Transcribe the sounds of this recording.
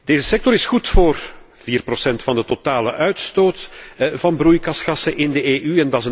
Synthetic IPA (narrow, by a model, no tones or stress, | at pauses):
d̥eːzəsɛk̚tɔɾɪsxutfoːr | v̥iːrprosɛntfɑndətotaːlə̰ʔœɥtstoːtvɑnbrujkɑsxɑsəʔɪndəeːʔyɛndɑzə